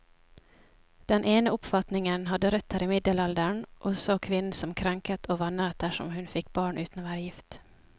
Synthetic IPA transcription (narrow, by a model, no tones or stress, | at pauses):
d̪̥ɛnʔeːnəɔpːfat̪nɪŋənɦad̪ːəɾœt̪ʰːaɾɪmɪd̪ːəlald̪əɳʔɔsoːkʰvɪnːnsɔmkʰɾaŋkat̪ʰɔvanːɾat̪̚d̪æʂɔ̰mhɵnfɪkːbɑːɳʔʉ̟ːt̪anɑvæːɾjɪft̪